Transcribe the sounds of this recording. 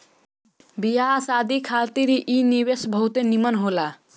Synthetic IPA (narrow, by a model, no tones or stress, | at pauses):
bijasad̪ikʰalt̪iɾʔinibesbʱʌɦut̪enimʌnɦola